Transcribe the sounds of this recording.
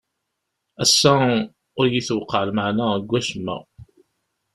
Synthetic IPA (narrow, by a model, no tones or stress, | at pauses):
æsːa | ʊɾjiθwəqːəʕlməʕnaɡʷːæʃəmːæ̰